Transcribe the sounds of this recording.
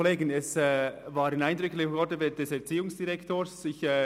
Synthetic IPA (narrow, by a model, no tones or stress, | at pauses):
leːɡənɛsɛvaːɾɪnaɪndʁʏklɪɔdəvɛd̥ɛsɛɐt͡siːʊŋsd̥iʁɛktoːsɪçɛ